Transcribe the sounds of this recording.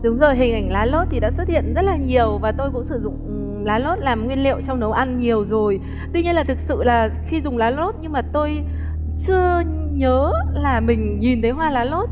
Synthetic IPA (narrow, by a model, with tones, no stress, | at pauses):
ɗɨ˨˦əŋzoː˨˩jɦï˨˩ŋ̟ʔa˨˧˩jŋ̟laː˨˦lo˦˥t̚t̪i˨˩ɗa̰ː˧˥swə˦˥t̚hḭ˧˨ənzə˦˥t̚laː˨˩ɲi˨˩əwvaː˨˩t̪o˧jkʊ̰˧˥ŋ͡msɨ˧˩zʊ̰˧˨ŋ͡m | laː˨˦lo˦˥t̚laː˨˩mŋwi˧ənlḭ˧˨ə˨wt͡ɕɔ˧wŋ͡mnə˨˦wʔa˧nɲi˨˩əwzo˨˩j | t̪wi˧ɲi˧ənlaː˨˩t̪ʰɨ˨˩k̚sɨ̰˧˨laː˨˩xi˧zʊ˨˩ŋ͡mlaː˨˦lo˦˥t̚ɲɨ˧ŋmaː˨˩t̪o˧j | t͡ɕɨ˧ə | ɲəː˨˦laː˨˩mï˨˩ŋ̟ɲi˨˩nt̪ʰə˨˦jɦwaː˧laː˨˦lo˦˥t̚